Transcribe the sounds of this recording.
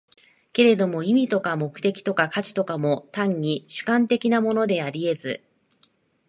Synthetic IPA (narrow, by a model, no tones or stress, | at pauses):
ke̞ɾe̞d̪o̞mo̞imʲit̪o̞kamo̞kɯ̟̥t̪e̞kʲi̥t̪o̞kakat͡ɕi̥t̪o̞kamo̞t̪ãɲ̟ːiɕɨ̥kãnt̪e̞kʲinamo̞no̞d̪e̞aɾʲie̞zɨ̰